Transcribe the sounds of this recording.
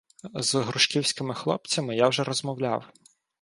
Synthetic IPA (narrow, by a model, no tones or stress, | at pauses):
zɦɾʊʃkʲiwsʲkɪmɪxlˠɔp̚t͡sʲɐmɪjawʒɛɾɔzmɔwlʲa̰w